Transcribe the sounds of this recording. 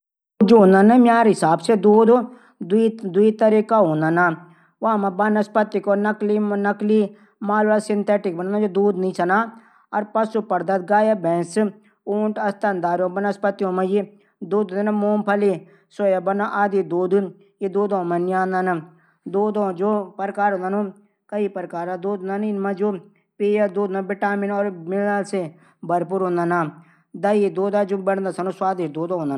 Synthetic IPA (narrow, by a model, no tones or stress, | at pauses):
d͡ʒoːnənɨmjaːɾɦɪsaːbsed̪uːd̪o | d̪id̪uit̪ɐɾikaɦõːnɐna | waːmãbɐnɐspɐt̪ikɔnɐklinɐkli | maːlasɪnt̪ʰɛːʈɪk̚bɐnñd͡ʒod̪uːd̪nĩsɐnaː | ɐɾpɐsupɐɾd̪ɐt̪̚ɡaːjabɛ̃ns | uːɳʈɐst̪ɐnd̪aːɾjõːbɐnɐspɐt̪iõmɐ̃ji | d̪oːd̪õnanãmoːmpʰɐli | soːjabɐnaʔaːd̪id̪oːd̪u | jed̪oːd̪õmanijãːnd̪ana | d̪oːd̪õːd͡ʒoːpɐɾkaːɾɦõnd̪anõ | kɐipɐɾkaːɾad̪oːd̪nanɪnmãd͡ʒoː | peːjad̪oːd̪nabɪʈaːminɔːɾmɪlase | bɐɾpuːɾɦõːnd̪ana | d̪ɐid̪oːd̪ad͡ʒoːbɐɽnd̪asɐnoswaːd̪eʃd̪oːd̪õɦoːnd̪an